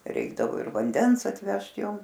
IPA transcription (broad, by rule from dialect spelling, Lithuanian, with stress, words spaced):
ˈrʲɛɪɡdɐʋoː ɪr ʋɐnʲˈdʲɛns ɐtʲˈʋʲɛʃt ˈjoːm